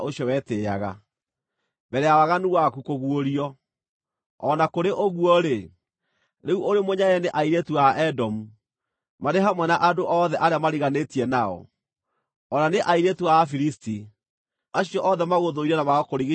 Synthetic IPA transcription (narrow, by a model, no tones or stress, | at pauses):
ʔoɕjɔwɛtea̰ɣa̰ | bɛɾɛawaɣanuwakukoɣuoɾiɔ | ɔnakoɾeʔoɣuɔɾe | ɾeuʔoɾemoɲajɛneʔaiɾetuaʔɛdɔmu | maɾeɦamwɛnaʔadoʔɔðɛʔaɾeamaɾiɣanetiɛnaɔ̰ | ɔnaneʔaiɾetuafiɾisti | aɕijɔʔɔðɛmaɣoðoiɾɛnamaɣɔkoɾiɣi